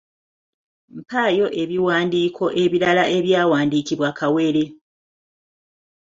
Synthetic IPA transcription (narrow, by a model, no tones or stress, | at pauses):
m̩paːjo̞ʔe̞βiwaːndiːkʰo̞ʔe̞βiɾalaʔe̞βjaːwaːndikiβwakawe̞ɾe̞